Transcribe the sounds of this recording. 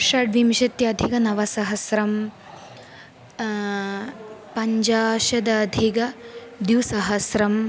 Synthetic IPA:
ʃɐɖʋimʃɐt̪jɐɐd̪ʱikɐnɐʋɐsɐɦɐsɾɐm | pɐɲd͡ʒaːʃɐd̪ɐːd̪ʱiɡɐd̪juwsɐɦɐsɾɐm

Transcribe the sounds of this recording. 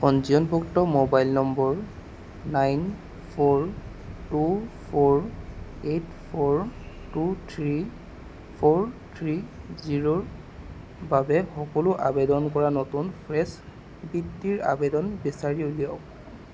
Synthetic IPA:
kɔnziɔnbɔktɔmobajlnɔmbɔɹ | najn | pʰɔɹ | tupʰɔɹetpʰɔɹtutʰɹi | pʰoɹtʰɹiziɹoɹ | babɛxɔkɔlʊʔabedɔnkɔɹanɔtunpʰɹɛs | bitːiɹa̰bedɔnbɛsaɹioliɔk

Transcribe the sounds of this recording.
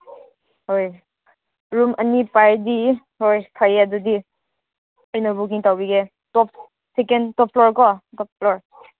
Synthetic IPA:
ɦoj | ɹumʔənipaɹdi | ɦojkʰaadɔdi | əjnɔbuk̬iŋtawbiɡɛ | tɔp̚ | sekɛntɔp̚ʰlɔɹkɔtɔp̚ʰlɔɹ

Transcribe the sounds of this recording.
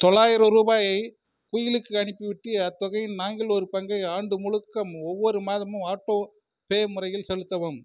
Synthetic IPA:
t̪ɔɭːaːjɪɾɐɾuːbaːjɐɪ | pujɪlɯkːɯɐɳɪpːɯʋɪʈːɯɐt̪ːɔɣɐjnaːŋɡɪlɔɾɯpɐŋɡɐɪaːɳɖɯmʊɻɯkːɐmɔʋːɔɾɯmaːðɐmɯaːʈːoː | peːmʊrɐjɪlsɛlɯt̪ːɐʋɯm

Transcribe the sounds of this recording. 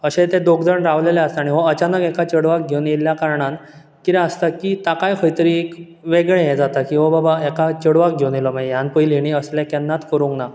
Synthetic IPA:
əɕet̪ẽd̪okd͡zəɳɾaʋleleəst̪aaːɽ̃iɦɔət͡ɕanəkekat͡ɕəɽʋak̚ɡʱewneljakaɾɳan | kit̪ɛ̃əst̪akit̪akajkʰəjt̪əɾiek | ʋeɡɭẽjed͡zat̪akiɦɔbabaekat͡ɕəɽʋak̚ɡʱewnelɔmajanpəjliñiəsljakɛnːat̪kəɾũŋkna

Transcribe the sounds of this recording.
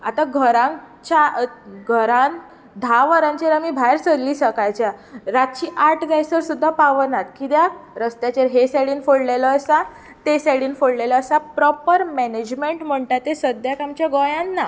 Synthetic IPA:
at̪aɡʱəɾã | t͡ɕaɡʱəɾãn | d̪ʱaʋəɾãɲt͡ɕeɾamiːbʱajɾsəɾliːsəkajt͡ɕjaɾat̪̚t͡ɕiːʔaʈd͡zajsəɾsud̪ʱːapaʋənat̪kid̪jaɾəst̪jat͡ɕeɾɦesaɽiːnfoɽleləːsa | t̪esɛɽiːnfoɽleləːsapɾɔpəɾmɛned͡ʑmeɳʈm̤əɳʈat̪ːesəd̪ʱjakamt͡ɕjaɡɔjãnːa

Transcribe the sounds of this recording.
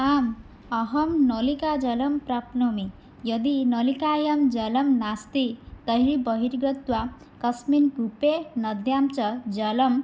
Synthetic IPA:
am | ʌɦʌmnolikad͡ʒʌlʌmpɾapnomi | jʌd̪inolikajʌmd͡ʒʌlʌmnast̪it̪ʌɦɾibʌɦiɾɡʌt̪wa | kʌsminɡupenʌd̪jamt͡sʌd͡ʒʌlʌm

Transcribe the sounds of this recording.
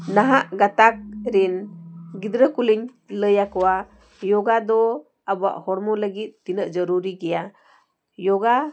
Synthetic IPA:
naɦaʔɡat̪ak̚ɾinɡid̪ɾəkuliɲ | ləjakɔwa | jɔɡad̪ɔ | abəa̰ʔhɔɾmɔləɡit̪̚ːinəʔd͡ʒəɾuɾiɡɛja | jɔɡa

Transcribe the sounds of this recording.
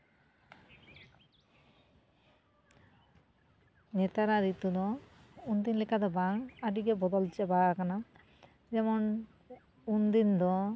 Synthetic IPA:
nɛt̪aɾaɾit̪ud̪ɔund̪inlikʰad̪ɔbaŋaɖiɡebɔd̪ɔlt͡ʃɛbakana | d͡ʒɛmɔn | und̪ind̪ɔ

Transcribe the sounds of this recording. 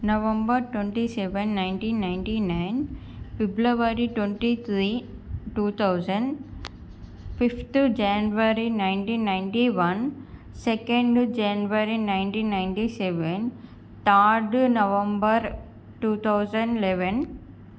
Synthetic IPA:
nɐʋẽmbɐɾʈweɳʈisɛʋenːajɳʈiːnːajɳʈinajn | piblɐʋaɾiʈweɳʈit̪ʰɾiːʈuːt̪ʰɐwd͡ʒɐɳɖ | pipt̪d͡ʒanʋɐɾinajɳʈiːnːajɳʈiʋɐn | sɛkeɳɖd͡ʒanʋɐɾinajɳʈiːnːajɳʈisɛʋen | t̪aːɾɖnɐʋẽmbɐɾ | ʈuːt̪ʰɐwd͡ʒɐ̃ɳɖlɛʋen

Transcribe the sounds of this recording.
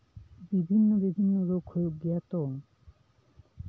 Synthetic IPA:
bibʱinːobibʱinːoɾokʰːojoɡɛt̪om

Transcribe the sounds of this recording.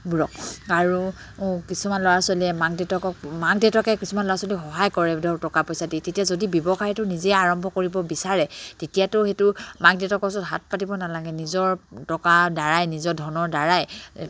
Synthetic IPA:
buɹɔk̚aɹu | kisumanlɔwasɔliɛmaɡdɛtɔkɔkmaɡdeɛtɔkɛkisumanlɔwasolixɔɦajkɔɹɛdɔtɔkapojsaditetiazodibjɔbɔxajtʊnizɛaɹɔmbʱɔkoɹibɔbisaɹɛtetijatʊxetʊmaɡdɛtɔkɔsɔtɦat̚patibɔnalaɡɛnizɔɹtɔkadaɹajnizɔɹdʱɔnɔɹdaɹaj

